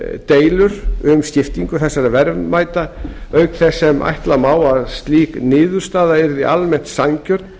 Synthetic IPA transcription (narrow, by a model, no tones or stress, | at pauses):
t̪eːjlʏɾʏmsc̪ɪft̪iŋkʏθɛsːaɾavɛɾvmaːjt̪aœɥkθɛsːɛmʔa̰jht̪lamaːwaðst̪liːknɪːðʏɾ̥st̪aːðaɛɾðiʔalmɛn̥t̪saɲcœɾt̪